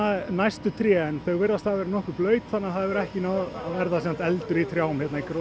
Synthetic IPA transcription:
anajst̪ʏt̪ʰɾjɛːɛnθœɣvɪɾðast̪aðvɛɾɪnɔhkʏplœːɥt̪θanːaθaðvɛɾɛhcɪnawvɛɾðasɛm̥t̪ɛlt̪ʏɾit̪ʰɾjawmhçɛt̪naikɾo

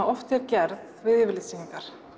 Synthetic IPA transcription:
aɔft̪ɪɾcɛɾðvɪðɪvɪlɪsiŋkaɾ̥

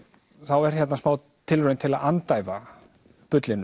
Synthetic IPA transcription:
θawɛɾ̥çɛt̪nasmaːw | t̪ʰɪlrœːɥnt̪ʰɪlaðant̪aːjva | pʏt̪lɪnːʏ

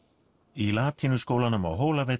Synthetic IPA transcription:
ilaːt̪ʰinʏskoːwlanʏma̰wɦoːwlavɛ

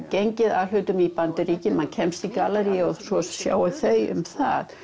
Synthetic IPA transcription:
ceɲcɪða̰l̥ʏːɥt̪ʏmipant̪ɪɾiːcɪmancʰɛmst̪ikaːlɛɾiɔsɔssja̰ːwaθœjʏ̰mθa̰ð

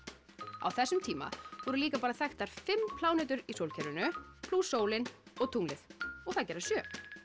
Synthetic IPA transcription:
a̰wθɛsːʏmt̪ʰiːma̰vɔɾʏliːkapaːɾaθɛxt̪aɾ̥fɪmːpʰlaːwnɛːt̪ʏɾisowlcʰɛɾʏnʏpʰluːsoːwlɪnɔɣt̪ʰuŋlɪðɔɣθaðcɛːɾḁsjœː

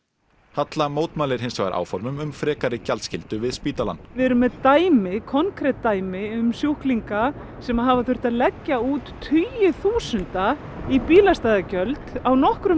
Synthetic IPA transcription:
hat̪lamoːwt̪maːlɪɾ̥ɦɪnsaɣa̰ɾʔa̰ːwfɔɾmʏmʏmfɾɛːkaɾɪcalscɪlt̪ʏvɪðspiːt̪ala̰nːvɪɛɾʏmɛðt̪aːjmɪkʰɔnkʰɾɛt̪ːaːjmɪʏmsjuhkliŋka | sɛmaðɦavaθʏr̥t̪aðlɛcːauːt̪ːʰyjʏθuːsʏnt̪a | ipiːlast̪aːjðacœlt̪awnɔhkɾʏ

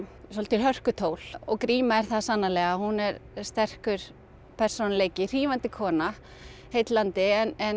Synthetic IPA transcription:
sɔlt̪ɪlɦœr̥kʏt̪ʰoːwl̥ɔɣkɾiːmaɛɾ̥θaðsanːalɛːɣahunɛɾst̪ɛr̥kʏɾ̥ | pʰɛr̥sonaleːjcɪr̥iːvant̪ɪkʰɔːna | hejt̪lant̪ɪɛnɛn

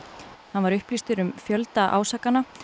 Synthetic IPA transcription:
hanvaɾʏhplist̪ʏɾʏmfjœlt̪aʔa̰ːwsaːkana

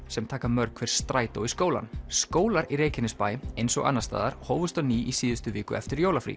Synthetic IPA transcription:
sɛmt̪ʰaːkamœɾkʰvɛɾ̥st̪ɾaːjt̪owiskoːwla̰nskoːwlaɾiɾeːjcɪnːɪspaːjɪejnsɔ̰ɣa̰nːast̪a̰ːðaɾ̥hoːwvʏst̪aniːʔisiːðʏst̪ʏvɪːkʏ̰ʔɛ̰ft̪ɪɾjoːwlafɾḭ

